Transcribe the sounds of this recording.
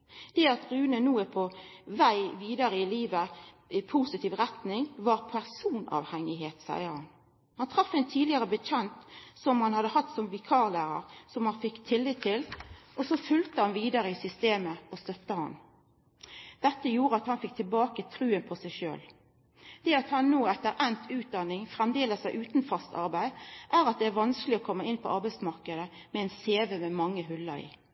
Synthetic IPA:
d̪̥ɛɑt̪ʁʉːnənuːəpʰɔʋæɪʋiːd̪ɑɾəɪliːʋə | ɪpʰuːsɪt̪ʰiːʋʁɛt̪nɪŋʋɑʁpʰæʁsuːnɑ̰ːʋhɛŋɪheːt̪sæ̰ɪəɾhɑn | hɑnt̪ʰʁɑfːɛɪnt̪ʰiːlɪəʁəbət͡ʃɛnt̪sɔmhɑnhɑd̪əhɑt̪ːsɔmʋɪkʰɑːʁlæːʁə̰ʁsɔmhɑnfɪkːt̪ʰɪlːɪt̪ʰːɪlɔsɔfʉlt̪əhɑnʋiːd̪əɾəɪsʏst̪eːməɔst̪œft̪əhɑ̰n | d̪̥ɛt̪ːəjuːʁəɑt̪hɑnfɪk̚t̪ʰɪlbɑːkət̪ʰɾʉːənpʰɔsæɪʃø̰ːl | d̪̥ɛːɑt̪hɑnːoːɛt̪ːəɾʔɛnt̪ʰʉːt̪̚d̪ɑnːɪŋfʁɛmd̪eːləsɑɪʔʉːt̪nfɑst̪ʰɑ̰ʁbæɪʔæːʁɑt̪̚d̪ɛæɾʋɑnsklɪɔkʰɔmːəɪnːpʰɔʔɑʁbæɪsmɑʁkəd̪ə | mɛɛːnseːʋəmɛmɑŋːəɦʉlːəɾḭː

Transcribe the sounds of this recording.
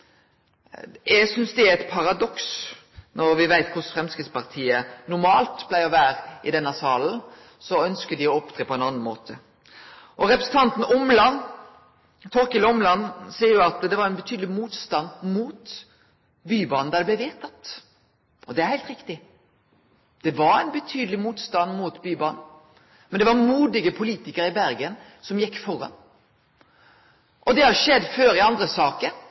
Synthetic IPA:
jɛɡsʏnsd̪ɛæɾɛt̪pʰɑɾɑd̪ɔks | nʔɔɾʋɪʋæɪt̪kʰʊsfɾɛmskɾɪt̪spɑʁt̪ʰiːənʊmɑːlt̪blæɪɔʋæːɾɪ̰d̪ɛnːɑsɑːln̩ | sɔœnskəd̪ɪɔɔpd̪ɾeːpʰɔɛnɑnːnmo̰ːt̪ʰə | ʔɔɾɛpɾɛsn̩t̪ʰɑnt̪n̩ɔmlɑn | t̪ʰɔɾkəlɔmlɑnːsiːəɾjʊɑt̪d̪ɛʋɑɾɛnbət̪ʰyːd̪lɪmuːt̪st̪ɑnːmuːt̪ | byːbɑn̩d̪ɑːd̪ɛblæʋeːt̪ʰɑt̪ | ɔd̪ɛæɾhæɪlt̪ɾɪkt̪ɪ | d̪̥ɛʋɑɾæɪnbət̪ʰyːd̪əlɪmuːt̪st̪ɑnːmuːt̪byːbɑn | mɛnd̪ɛʋɑɾmuːd̪ɪɡəpʰʊliːt̪ɪkəɾɪbæɾɡən | sɔmjɛkːfɔɾɑ̰n | ʔɔd̪ɛhɑʃɛd̪ːføːɾɪɑnd̪ɾəsɑːkəɾ

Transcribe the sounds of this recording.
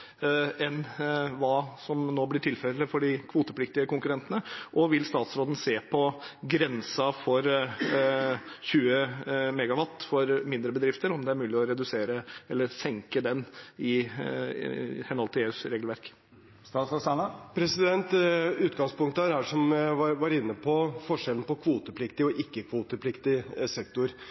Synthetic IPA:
ɛnʋɑːsɔmnoːblɪʈʰɪlfɛlːəfɔɖɪkʰʋuːt̪əp̪ʰɪk̚t̪ɪəkʊŋkʉɾɛnt̪ənəʔɔʋɪlst̪ɑːt̪sɾoːd̪n̩seːpʰɔɡɾɛnsɑfɔɾ | çʉːəmɛɡɑʋɑt̪ːfɔɾmɪnd̪ɾəbəd̪ɾɪft̪əɾɔmd̪ɛæɾmʉːlɪɔɾɛd̪ʉseːɾəɛlːəɾsɛŋkəd̪ɛnɪ | hɛnɔlt̪əeːʉsɾeːɡlʋæɾk | st̪ɑːt̪sɔsænəpʰɾɛsɪd̪ɛnt̪ʉːt̪ɡɑŋspʊŋkt̪əæɾæʂɔmʋɑɾɪnːəpʰɔfɔʂɛln̩pɔkʰʋuːt̪əpʰlɪkt̪ɪɔʔɪkːəkʰʋuːt̪əpʰlɪkt̪ɪsɛkt̪ʊɾ

